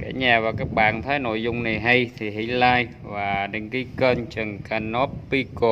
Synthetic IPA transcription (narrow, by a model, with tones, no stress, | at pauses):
kaː˧˩˥ɲaː˨˩vaː˨˩kaː˦˥k̚ɓa̰ː˧˨nt̪ʰaː˨˦jno̰˧˨jzʊ˧wŋ͡mna˨˩jɦa˧jt̪ʰi˨˩ɦḭ˧˦laː˧j | vaː˨˩ɗə˨˦ŋki˨˧˦kəː˧nt͡ɕə˨˩ŋka˧no˦˥pːi˧ko˧˩